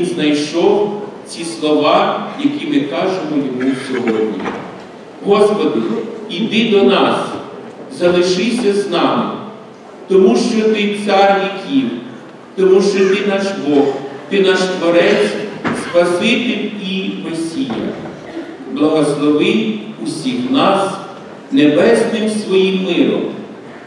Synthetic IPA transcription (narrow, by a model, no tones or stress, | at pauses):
znɐjʃɔwt͡sʲislˠɔʋɑjɐkʲimɪkɑʒemɔjɔmusʲɔɦɔdʲnʲḭ | ɦɔspɔd̪ɪid̪ɪd̪ɔnɑs | zɐlˠɪʃɪsʲɐznɑmɪ̰ | t̪ɔmuʃt͡ʃɔt̪ɪt̪sɑrjʲikʰʲiw | t̪ɔmuʃt͡ʃɔt̪ɪnɑʃbɔxt̪ɪnɑʃt̪ʋɐɾɛʃspɐsɪt̪ɪlʲiʋesʲijɐ̰ | blˠɐɦɔslˠɔʋɪjusʲixnɑs | nebɛsnɪmsʋɔjimːɪɾˠɔ̰m